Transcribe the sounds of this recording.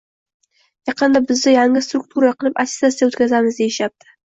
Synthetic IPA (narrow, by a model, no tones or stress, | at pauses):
jɑqːɑnd̪ɑbɪzd̪ɪjɑŋəst̪ruk̚t̪ʰuɾɑqʰəlˠəpat̪ʲɪ̥zat̪sawɵt̪kʲʰazæməzd̪eʃap̚t̪ə̥